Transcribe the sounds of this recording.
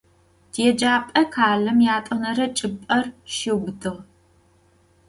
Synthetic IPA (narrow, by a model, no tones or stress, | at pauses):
d̥jɛd͡ʒaːpʼɐkʰaːlɐmjaːtʼɐnɐɾɐt͡ʃʼɪpʼɐrʃɪwbdʰɨʁ